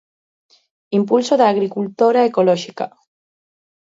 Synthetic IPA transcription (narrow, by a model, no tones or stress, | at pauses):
impulsoðaaɣɾikult̪oɾaekolɔʒika̰